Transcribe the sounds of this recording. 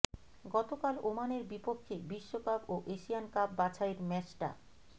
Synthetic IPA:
ɡɔt̪okalomaneɾbipokʰːebiʃːokaboʔeʃijankab̚ːat͡ɕʰaeɾmɛt͡ɕʈa̰

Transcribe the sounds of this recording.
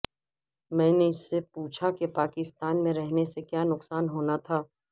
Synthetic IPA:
mɛ̃ːneɪsːepuːt͡ʃʰakepaːkɪst̪aːnmẽɾɛɦnesekjaːnʊqsaːnɦoːnat̪ʰaː

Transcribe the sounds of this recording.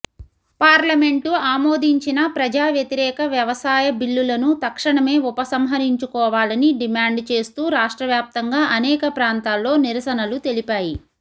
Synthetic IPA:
paːɾlɐme̞ɳʈuaːmo̞ːd̪ʱiɲt͡ʃinɐpɾɐd͡ʒaːʋjɐt̪iɾɛːkɐʋjɐʋɐsaːjɐbilːulɐnut̪ɐkʂɐɳɐme̞ːupɐsɐmɦɐɾiɲt͡ʃukɔːʋaːlɐniɖimaːɳɖt͡ʃe̞ːst̪uːɾaːʂʈɾɐʋjaːp̚t̪ɐŋɡaːʔɐnɛːkɐpɾaːnt̪aːlːo̞ːniɾɐsɐnɐlut̪e̞lipaːji

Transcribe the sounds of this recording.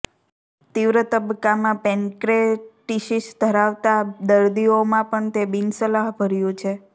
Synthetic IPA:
t̪iʋɾət̪əbkːamãpẽŋkɾeʈiʃiʃd̪ʱəɾaʋt̪ad̪əɾd̪iomãpəɳt̪ebinsəlaɦbʱəɾjũt͡ʃʰe

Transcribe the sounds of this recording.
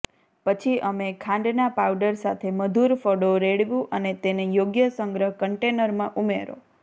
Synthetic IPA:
pət͡ʃʰiʔəmekʰãɳɖnapawɖəɾsat̪ʰeməd̪ʱuɾfɔɽoɾeɽʋjũʔənet̪enejoɡjəsəŋɡɾəɦkəɳʈenəɾmãʔumeɾo̰

